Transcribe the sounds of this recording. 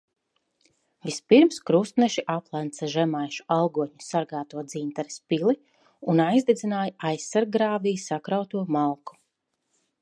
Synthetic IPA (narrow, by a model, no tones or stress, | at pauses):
vispiɾmskɾust̪nɛʃiʔaplˠænt̪saʒɛmajʃu̥alˠɡuɔtɲusaɾɡaːt̪uɔd̪ziːnt̪aɾispilˠi | unajzd̪id̪zinaːjaʔajsːaɾɡɾaːvijsakɾawt̪uɔmalˠku̥